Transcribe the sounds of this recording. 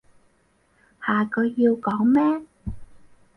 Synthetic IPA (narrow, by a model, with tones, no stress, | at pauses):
haː˨˩kʰɵ˨˧ɥːiː˧wkɔː˨˥ŋmɛː˥